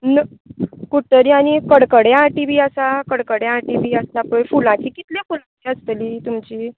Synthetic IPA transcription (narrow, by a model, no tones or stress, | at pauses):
nə | kuʈəɾĩañikəɽkəɽjãʈiʋiəsakəɽkəɽjãʈiʋiəslapəɳfulãt͡ɕiːkit̪ljafulat͡ɕiəst̪liːt̪umt͡ɕiː